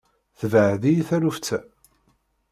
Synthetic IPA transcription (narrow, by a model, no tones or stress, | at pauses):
θəvəʕðijθæɾuft͡sːæ